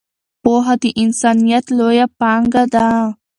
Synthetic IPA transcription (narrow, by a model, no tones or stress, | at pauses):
poːɦat̪iʔɪnsaːnijat̪lojapaŋɡad̪a